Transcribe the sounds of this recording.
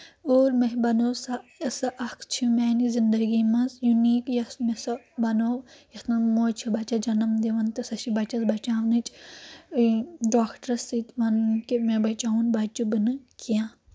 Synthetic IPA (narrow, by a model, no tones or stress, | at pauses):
oːɾmeɦbɐnoːsaɐsɐʔɐkʰt͡ʃʰimɛːnizind̪ɐɡimɐnzjuniːkjɐsmesɐ | bɐnoːjɐt̪nɐmoːt͡ʃʰibɐt͡ʃad͡ʒɐnɐmd̪eʋɐnt̪ɐsɐʃibɐt͡ʃɐsbɐt͡ʃaːʋnɨt͡ʃʰ | ɖaːkʰʈɐɾsit̪ʋɐnkimẽbɐt͡ʃaːunbɐt͡ʃubɨnɨkijãː